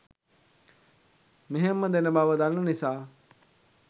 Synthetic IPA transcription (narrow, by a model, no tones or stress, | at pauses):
miɦemːəd̪enəbaːʋəd̪ɐnːənisaː